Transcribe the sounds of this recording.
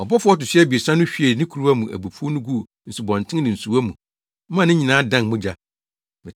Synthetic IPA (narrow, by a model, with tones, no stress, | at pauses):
ɔ˨bɔ˦fʊ˦ɔ˦tʊ˨ɕɛ˦bi˨e˨sã˦nʊ̃˦ɕᶣi˦e˨nɪ̃˦kʰu˨ɾu˦a˦mũ˨ʔæ̰˨bu˨pʰu˦o˦nʊ̃˦ɡu˦ | n̩˨su˨bɔ̃˨ntʰɪ̃˦nɪ̃˨n̩˨su˨wæ˦mũ˨˦ | m˦ã˦˨nɪ̃˦ɲĩ˨nãː˨˦dã˦˨nmʊ̃˦d͡ʑa˦ | mɪ̃˨